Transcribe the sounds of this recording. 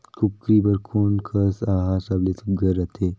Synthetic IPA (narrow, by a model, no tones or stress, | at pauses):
kʰup̚kɾiːbəɾkʰunkʰəsaɦasablet̪ʰubɡəɾat̪ʰe